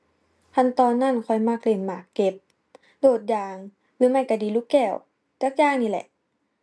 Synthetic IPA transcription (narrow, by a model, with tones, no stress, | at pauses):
t̪ʰa˧˥˨nt̪ɔː˧nːa˧˥˨nkʰɔ˧˩jmaː˧˩k̚le˧˩nmaː˨˩kːe˧˩p̚ | doː˧˩t̪̚jaː˧˩ŋ | lɯː˧˦ma˧˩˨jka˧˩diː˧˦luː˧˥˦kɛː˧˩w | t͡ɕaː˧˥˦k̚jaː˧˨ŋniː˧˨lɛ̰˧ʔ